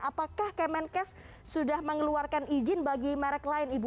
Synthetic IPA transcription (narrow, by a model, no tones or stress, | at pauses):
apakahkɛmɛnkɛs | sudahməŋəluarkanʔid͡ʒɪnbaɡimɛɾɛklaɪnibu